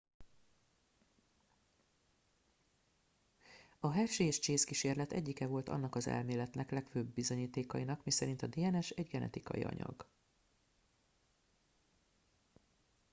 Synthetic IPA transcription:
ɒɦɛʃeːɛʃt͡ʃeːskiʃeːrlɛt̪ɛ̰ɟːikɛvo̞lt̪ʰɒ̰n̪ːɒkɒzɛ̰lmeːlɛt̪nɛklɛkføːbːizo̞ɲiːt̪eːkɒinɒkmisɛɾint̪ɒd̪eːɛnɛʃɛɟɡɛnɛ̰t̪ikɒ̰jḭɒ̰ɲɒ̰ɡ̥

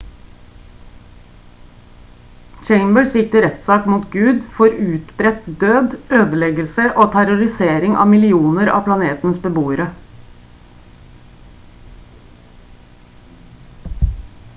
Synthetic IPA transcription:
t͡ʃeɪmbəɹsɪkt̪əɾɛt̪sɑːkmuːt̪ɡʉːd̪fɔɾʉːt̪bɾɛt̪d̪øːd̪øːd̪əlɛɡəlsəʔoːt̪ʰæɾʊɾɪseːɾɪŋʔɑ̰ːmɪlɪuːnəɾɑ̰ːpʰlɑneːt̪n̩sbəbuːəɾə

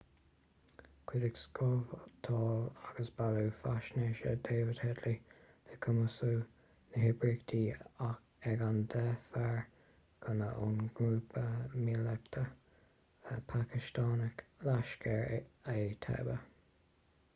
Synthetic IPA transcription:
kʰwɪd̪ɪɡskɔvt̪ʰɑːlaɡ̥əsb̥alufaʃneʃə̰d̪eːvɪd̪hɛd̪li | ð̥əkʰəməsuː | nəɦɪbɹikd̪iːa | ɛɡand̪ɛfɛɹ | ɡ̥ʰənəʔunɡɾuːpəmilɛk̚t̪ʰə | əpʰakɪst̪aːnəklaʃkʰɛɹet̪ʰɛ̰bə

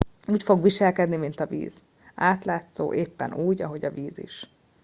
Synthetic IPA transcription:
uːcfo̞ɡʋiʃɛlkɛd̪nimint̪ɒvḭːz̥ | aːt̪laːt̪so̰ːʔeːpːɛ̰nuːɟɒɦo̞ɟɒ̰viːzḭʃ

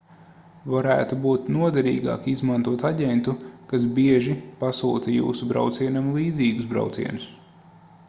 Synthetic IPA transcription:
vaɾæ̰ːt̪ubuːt̪nuɔd̪ɛɾḭːɡɑ̰ːkizmant̪uɔt̪aɟʲent̪ukas̬biɛʒipasṵːt̪ɐjṵːsubɾa̰wt̪siɛnamlˠiːd̪ziːɡusbɾa̰wt̪sḭɛnus

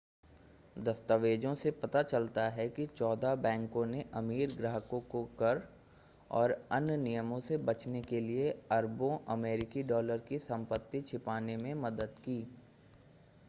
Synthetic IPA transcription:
d̪ɐst̪əʋeːd͡ʒõsepɐt̪at͡ʃɐlt̪aɦɛkit͡ʃɔːd̪abɛ̃ːŋkõneʔɐmiːɾɡɾəɦəkõkokɐɾ | ɔːɾɐnnijəmõsebɐt͡ʃnekelieɐɾbõʔɐmeːɾɪkiɖɔːləɾkisɐ̃mpət̪ːit͡ʃʰɪpaːnemẽmɐd̪əd̪kiː

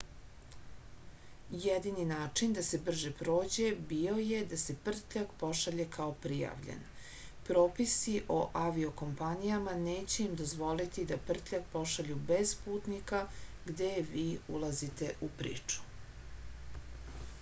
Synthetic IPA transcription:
jed̪ininaːt͡ʂind̪ase̞br̩ʒepɾo̞ːd͡ʑe̞bio̞je̞d̪ase̞pr̩t̪ʎakpo̞ʃaʎe̞kʰao̞pɾija̰ʋʎḛn | pɾo̞ːpisiʔo̞ʔaʋio̞ko̞mpanijamaneːt͡ɕe̞imd̪o̞zʋo̞lit̪id̪apr̩t̪ʎak̚po̞ʃaʎube̞z̥puːt̪nika | ɡd̪eʋiːulazit̪e̞ʔupɾḭːt͡ʂu̥

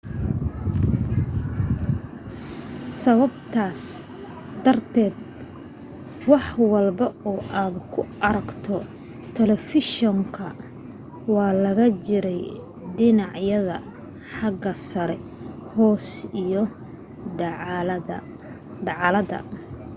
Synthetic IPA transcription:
sɐβɐbt̪ʰaːs | d̪ɐrt̪ʰɛːd̪ | wɑħwɑlbɐuːʔaːd̪kʰʊɐɾɐɡt̪ʰɔ | t̪ʰɛlɛfɪʃɔŋkʰɐ | wɑːlɐɣɐt͡ʃɪɾɛj | ɖɪnɑʕjɐðɐ | ħɑɡɐsɐɾɛhɔːsijɔ | ɖɑʕlɐdɐ̰

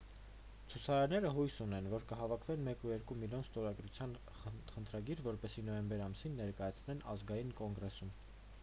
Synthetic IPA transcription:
t͡sʰut͡sʰɑɾɑɾnɛɾəɦujsunɛnvɔɾkəɦɑvɑkʰvɛnmɛkujɛɾkumiljɔnst̪ɔɾɑɡɾut͡sʰjɑn | χənt̪ʰɾɑɡiɾvɔɾpɛsinɔjɛmbɛɾɑmsinːɛɾkɑjɑt͡sʰnɛnɑzɡɑjinkɔŋɡɾɛsum

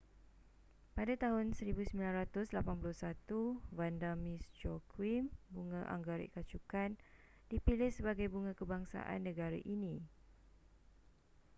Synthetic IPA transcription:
padat̪aɦʊnsəɾibusəmbilanrat̪ʊslapanpulʊhsat̪uvandamĩsd͡ʒɔkwimbuŋãʔa̰ŋɡaɾḭʔkat͡ʃukan | dipilɪhsəbaɡajbuŋãkəbaŋsa̰ʔa̰nːə̃ɡaɾa̰ʔinĩ

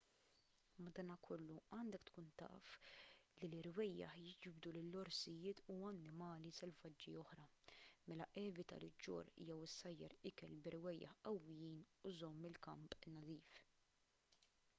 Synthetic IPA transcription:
mːɐd̪ɐːnɐkʰɔlːuɐːnd̪ɛkt̪kuːnt̪ɐ̰ʔflilɪɾwɛjːɐ̰ħjɪd͡ʒbd̪ulɪlːɔɾsɪjɪːt̪uɐnːɪmɐːlisɛlvɐd͡ʒːiɔħɾɐmɛlɐʔɛːvɪt̪ɐ̰lɪd͡ʒːɔ̰ɾjɛwɪsːɐjːɐ̰ɾɪkɛlbɪɾwɛjːɐ̰ħɐwːɪjiːnuzɔmːɪlkɐmpʼnɐd̪iːf

